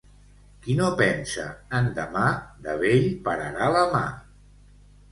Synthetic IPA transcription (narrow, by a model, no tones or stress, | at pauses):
kinopɛnsə̰ənd̪əmad̪əβeʎpəɾəɾaləma